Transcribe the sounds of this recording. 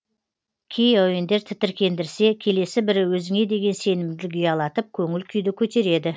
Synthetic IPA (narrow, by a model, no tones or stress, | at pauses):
kʲʰejʊjɪnd̪e̞ɾt̪ʰɪt̪ɪɾkʲʰe̞nd̪ɪɾse̞kʲʰe̞le̞sɪbɪɾɪwɵzɪŋe̞d̪e̞ɡʲe̞nse̞nɪmd̪ɪlɡʲijɑlˠɑt̪əp̚kʲʰɵŋɪlkʲʰʏjd̪ɪkʲʰɵt̪e̞ɾe̞d̪ɪ